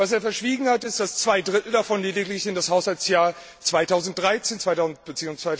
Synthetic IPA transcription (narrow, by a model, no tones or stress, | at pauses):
vas̬eːɐfɛɐʃv̥iːɡŋ̩hatɪst̚d̥ast͡sv̥aɪdʁɪtl̩dafɔnleːdɪɡlɪçɪndashaʊshalsjaːɐ | t͡sv̥aɪtʰaʊzn̩t̚d̥ʁaɪt͡seːnt͡sv̥aɪtaʊzn̩t̚b̥ət͡siːʊŋst͡svaɪ